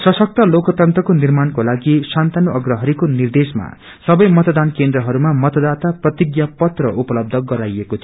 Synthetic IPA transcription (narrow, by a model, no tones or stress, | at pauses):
sʌsʌk̚t̪ʌlokʌt̪ʌnt̪rʌkonirmankolaɡisant̪anoʌɡrʌɦʌɾikonird̪esma̰ | sʌbʌjmʌt̪d̪ankend̪rʌɦʌɾumamʌt̪ʌd̪at̪aprʌt̪iɡjapʌt̪rʌʔupʌlʌb̚d̪ʱʌɡʌɾajekot̪ʰi